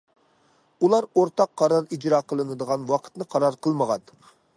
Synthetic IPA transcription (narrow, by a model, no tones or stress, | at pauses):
ulˠɑɾoɾt̪ɑqʰːɑɾɑɾid͡ʒɾɑːqʰəlˠɨnɨd̪əʁɑnwɑqʰə̥t̪nɨqʰɑɾɑɾqʰəlˠməʁɑn